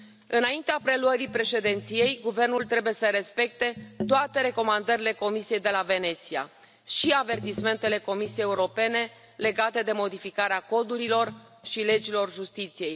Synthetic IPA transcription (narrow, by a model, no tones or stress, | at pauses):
ɨnaint̪eapɾe̞luwəɾipɾe̞ʃe̞d̪ent̪sije̞jɡuve̞rnult̪ɾe̞buje̞səɾe̞spe̞k̚t̪e̞t̪oat̪e̞ɾe̞ko̞mand̪əɾile̞ko̞misije̞jd̪e̞lave̞ne̞t̪sia̰ | ʃiave̞rt̪isme̞nt̪e̞le̞ko̞misijejeuɾo̞pe̞ne̞ | le̞ɡat̪e̞d̪e̞mo̞d̪ifikaɾeako̞d̪uɾilo̞r | ʃile̞d͡ʒilo̞rʒust̪it̪sije̞j